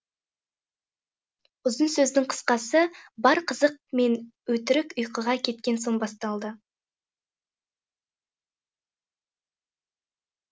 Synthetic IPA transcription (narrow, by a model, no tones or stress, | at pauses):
ʊzənsɵzd̪ɪŋqʰə̥sqɑsəbɑɾqʰəzəq̚me̞nwɵt̪ɪɾɪkʊjqəʁɑkʲʰe̞t̪̚kʲe̞nso̞ɴbɑst̪ɑlˠd̪ə